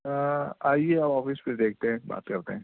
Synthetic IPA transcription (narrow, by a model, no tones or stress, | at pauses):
aːieaːpɔːfɪsped̪eːk̚ʰt̪eɦɛ̃ba̰ːt̪kɐɾt̪eɦɛ̃ː